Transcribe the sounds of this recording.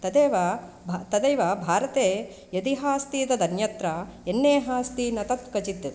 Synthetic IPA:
t̪ɐd̪eːʋɐ | bʱt̪ɐd̪eːʋɐbʱaːɾɐt̪eː | jɐt̪iɦaːst̪iːt̪ɐd̪ɐnjɐt̪ɾɐenːeːɦaːst̪iːnɐt̪ɐt̪kɐt͡ʃid̪ːɐt̪

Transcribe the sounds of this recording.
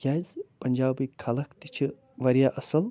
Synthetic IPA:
ɡʲaːzpɐnʲd͡ʒaːbikʰːɐlɐkt̪it͡ʃʰi | ʋɐɾjaːʔɐsɐl

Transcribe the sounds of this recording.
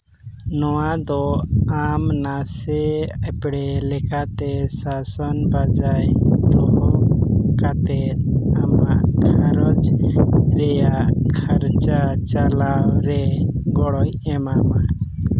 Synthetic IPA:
nɔwad̪ɔamnasɛɛpɽɛlɛkʰat̪ɛsasɔnbad͡ʒajd̪ɔ | kat̪ɛamaʔkʰaɾɔd͡ʒ | ɾɛjaʔkʰaɾt͡ʃat͡ʃalawɾɛɡɔɽɔjɛmama

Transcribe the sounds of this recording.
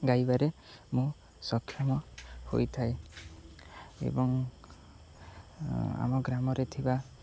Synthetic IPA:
ɡajbaɾe | mũ | sɔkʰːjɔmɔho̰jt̪ʰae | ḛbɔŋ | a̰mɔɡɾamɔɾet̪ʰiba

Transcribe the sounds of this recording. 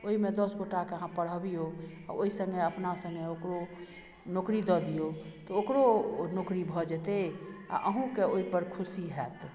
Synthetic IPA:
oɦimed̪ɔsɡoʈakeəɦãpəɽ̤əbijo | a̰oisə̃ŋɡeəpnasə̃ŋɡeokɾo | nokɾid̪ɔd̪ijot̪ɔokɾonokɾibʱɔd͡ʒɛt̪ea̰ʔəɦũkeoipəɾkʰusiɦɛt̪

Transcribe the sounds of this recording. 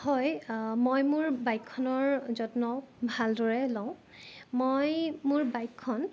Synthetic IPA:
hɔjmojmuɹbajkʰːɔnɔɹzɔtnɔbʱaldɔɹɛlɔʊ̃ | mojmʊɹbajkʰːɔn

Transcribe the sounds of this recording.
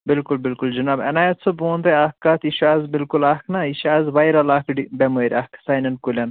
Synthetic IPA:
bilkulbilkuld͡ʒunabɐ̰naːjɐt̪sʰoboːnd̪eakːaːt̪iʃaːzbilkulaknɐiʃaːzʋajɾɐlaːkɖibemuɾʲaksajnɐnkulʲɐn

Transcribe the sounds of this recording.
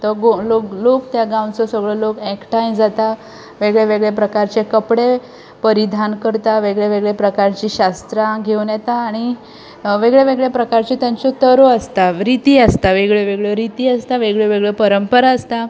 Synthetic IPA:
t̪əɡoloklokt̪jaɡãw̃t͡sɔsəɡɭɔlokɛkʈajnd͡zat̪a | ʋeɡɭeʋeɡɭepɾəkaɾt͡ɕekəpɽe | pəɾid̪ʱankəɾt̪aʋeɡɭeʋeɡɭepɾəkaɾt͡ɕiɕast̪ɾãɡʱewnjɛt̪aːɽ̃i | ʋeɡɭeʋeɡɭjepɾəkaɾt͡ɕet̪jaɲt͡sɔt̪əɾoəst̪aɾit̪iːəst̪aʋeɡɭeʋeɡɭɔɾit̪iːəst̪aʋeɡɭeʋeɡɭepəɾəmpəɾaəst̪a

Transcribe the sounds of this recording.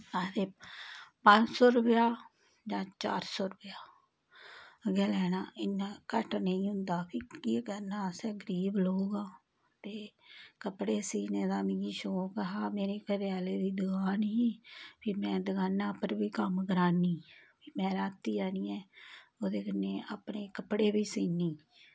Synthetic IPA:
ad̪eːpəɲd͡ʒsoːɾəpjaː | d͡ʒãːt͡ʃa̰ːɾsoːɾəpjaː | əɡɛːlɛːnaːʔɪnãːkəʈnəĩːɦʊ̃nd̪aːpʰiːkiːkɛːnaːsɛːɡəɾiːblouːɡaː | t̪eːkəpɽeːsiːnẽːd̪aːmĩːɡiːʃoːkəɦaːmeːɾeːkəɾeaːleːd̪iːd̪ʊɡaːniːpiːmɛ̃ːd̪əɡaːnãːpəɾbiːkəmɡəɾaːniːpiːmɛ̃ːɾaːt̪ːiːd͡ʒaːniːɛːoːd̪eːkənːeːʔaːpɳeːkəpɽeːbiːsiːniː

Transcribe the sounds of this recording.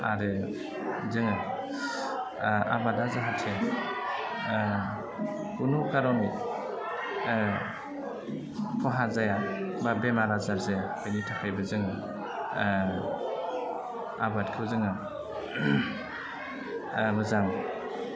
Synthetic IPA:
a̰ɾɯ | zɯŋa | a̰badazaɦatʰe | kunukaɾɔni | pʰɔɦazajababemaɾazaɾzaja | ɯnitʰakʰajbɯzɯŋɯ | abatkʰɯwzɯŋa | mɯzaŋ

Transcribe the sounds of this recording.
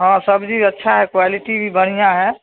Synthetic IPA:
ɦãːsəbd͡ʒʱiɐtːʃʰaɦɛkwaːlɪʈibʱibəɽ̤ijãɦɛː

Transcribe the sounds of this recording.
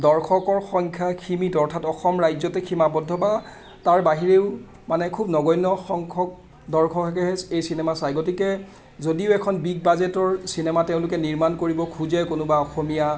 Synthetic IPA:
dɔɹkʰɔkɔɹxɔŋkʰjakʰimitɔɹtʰatɔxɔmɹajzɔtɛkʰimabɔdʱːɔba | taɹbaɦiɹeʊ | manɛkʰubnɔɡɔjnɔxɔŋkʰɔk̚ | dɔɹkʰɔkɛkɛɦɛsejsinɛmasajɡotikɛ | zodiʊɛkʰɔnbik̚bazɛtɔɹsinɛmateʊ̃lʊkɛniɹmankoɹibɔkʰuzɛkʊnʊbaɔxomija

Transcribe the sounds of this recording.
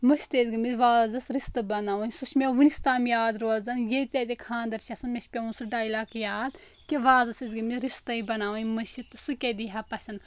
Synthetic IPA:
mɐʃt̪eːzɡɐmizʋaːzɐsɾist̪ɐbɐnaːʋunʲsuʃmʲeʋunist̪aːmijaːd̪ɾoːzɐnjet̪ʲɐt̪ʲekʰãːnd̪ɐɾʃʰʲɐsɐnmʲeʃpʲeunsɨɖaːilaːkjaːd̪ | kʲeʋaːzɐsezɡɐmizɾist̪ɐibɐnaːʋɐnʲmɐʃit̪ɨsukʲed̪iɦapɐʃɐn

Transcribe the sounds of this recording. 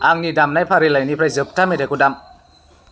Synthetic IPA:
aŋnidamnajpʰaɾilajnipʰɾajzɯp̚tamedakudam

